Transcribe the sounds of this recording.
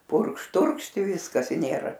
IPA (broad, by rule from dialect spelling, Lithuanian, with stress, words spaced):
ˈpʊrkʃ ˈtʊrkʃt ɪ ˈʋʲɪskɐs ɪ ˈnʲeːrɐ